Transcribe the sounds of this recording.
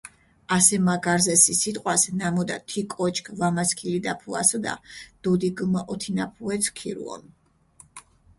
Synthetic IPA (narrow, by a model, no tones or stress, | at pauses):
asɛmaɡaɾzɛsisit̪ʼqʼwasnamɔd̪a̰t̪ʰikʼɔt͡ʃʰkʰvamaskʰilid̪apʰua̰sɔd̪a̰d̪̥ud̪iɡmɔʔɔt̪ʰinapʰuɛt̪sʰkʰiɾṵɔ̰n